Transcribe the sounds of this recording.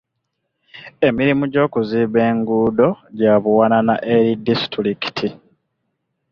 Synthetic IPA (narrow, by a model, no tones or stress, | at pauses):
e̞miɾimuɟo̞ːkuziβe̞ːŋɡuːdo̞ɟaːβuwananaʔeɾidistɾiki̥tʰi